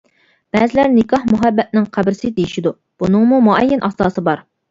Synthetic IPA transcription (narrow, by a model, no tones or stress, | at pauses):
b̥ɛːzɪlæɾnɪkʰɑhmuɦæbːɛt̪̚nɪŋqʰæbɾɪsɪd̪ejiʃid̪u | b̥unɨŋmumuɛjːɛnʔɑsɑːsɨbɑɾ